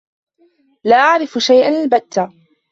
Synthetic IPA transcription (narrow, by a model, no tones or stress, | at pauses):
laːʔaʕɾɪfʃajʔanlbat̪ːa